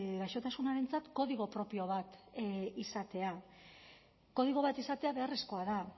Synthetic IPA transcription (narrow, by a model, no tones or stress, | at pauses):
ɣajʃo̞t̪asunaɾe̞nt͡sat̪ko̞ðiɣ̞o̞pɾo̞pio̞β̞at̪isat̪e̞a | ko̞ð̞iɣ̞o̞βat̪isat̪e̞aβe̞are̞sko̞aða